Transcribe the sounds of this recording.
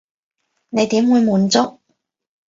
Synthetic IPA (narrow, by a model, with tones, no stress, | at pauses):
ne˨˧jt̪iː˨˥mwuː˨˧jmuː˨˧nt͡sʊ˥k̚